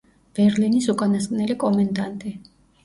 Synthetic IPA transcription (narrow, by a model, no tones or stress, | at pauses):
b̥ɛɾlinisukʼanaskʼnɛlikʼɔmand̪ant̪ʼi